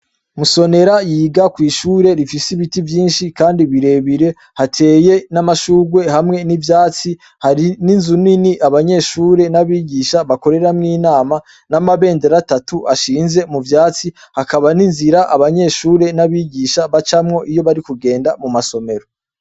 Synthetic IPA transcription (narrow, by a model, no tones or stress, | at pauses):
muso̞ne̞ɾajiːɡakwiːʃuːɾe̞ɾifisiβitivjiːnʃikaːndiβiɾe̞βiɾe̞ | hatʰe̞ːje̞namaʃuːɡwe̞hamŋe̞nivjaːt͡si | haɾininzuniniʔaβaɲe̞ʃuːɾe̞naβiːɟiːʃaβako̞ɾe̞ɾamŋiːnaːma | namaβe̞ːndeɾatatuaʃiːnze̞muvjaːt͡si | hakaβaninziɾaʔaβaɲe̞ʃuːɾe̞naβiɟiːʃaβat͡ʃamŋo̞ʔijo̞βaɾikuɡe̞ːndamumaso̞me̞ɾo